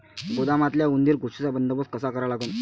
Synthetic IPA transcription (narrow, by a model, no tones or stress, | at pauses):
kod̪amat̪ljaund̪iɾɡoʂit͡sabənd̪əbəskəsakəɾalaɡon